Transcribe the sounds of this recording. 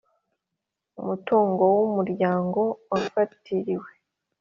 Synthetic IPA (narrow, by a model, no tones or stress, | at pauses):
umutuːŋɡo̞wumuɾɟaːŋɡo̞wafatʰiɾiwe̞